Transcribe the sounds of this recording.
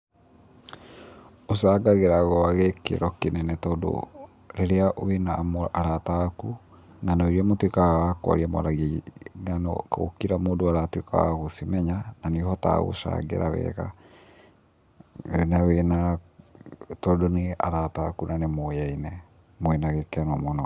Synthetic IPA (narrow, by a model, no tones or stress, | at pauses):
osaːɡaɣeɾaɣɔaɣekḛɾɔkenɛnɛtɔdo̰ | ɾeɾeaʔoenamoaɾataku | nanɔiɾiɛmotwekawakwa̰ɾiamɔ̰ɾaɣeŋanɔ̰ko̰kiɾamodoaɾatweka̰wa̰ɣosimɛɲananehɔta̰ɣo̰ʃa̰ɡḛɾa̰βɛ̰ɣa̰ | nɛwena | tɔdoneaɾatakunanemojainɛ | moɛnaɣekɛnɔmɔnɔ